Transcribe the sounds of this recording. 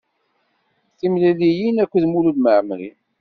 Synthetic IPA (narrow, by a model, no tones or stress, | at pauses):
θimlælijinækʷːðmululməʕmɾḭ